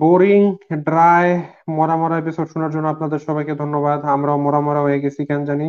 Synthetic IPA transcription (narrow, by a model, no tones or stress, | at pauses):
boɾiŋɖɾae | mɔɾamɔɾajbesʰobʃunaɾd͡ʑonːoapnad̪eɾʃɔbʱajked̪ʱonːobad̪amɾaomɔɾamɔɾaɦoeɡet͡ɕʰikɛnd͡ʑani